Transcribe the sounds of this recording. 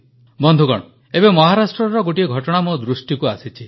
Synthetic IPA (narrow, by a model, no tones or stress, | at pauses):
bɔnd̪ʱuɡɔ̰ɽ̃ɔ | ebemɔɦaɾasʈɾɔɾɔɡoʈieɡʱɔʈɔɽ̃amud̪ɾusʈikuasit͡ʃʰi